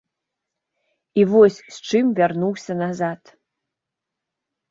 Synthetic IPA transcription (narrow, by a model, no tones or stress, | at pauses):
ivoɔsʲst͡ʂɨmvʲarnuwsʲɐnazat̪